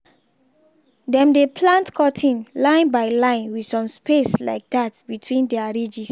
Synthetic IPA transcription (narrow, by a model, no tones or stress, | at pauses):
dɛ̃mdepʰlãntkʰɔtʰĩnlãɪ̃nbaɪlãɪ̃nwidsɔ̃mspesla̰ɪk̚datbitʰwĩndɛaɹid͡ʒis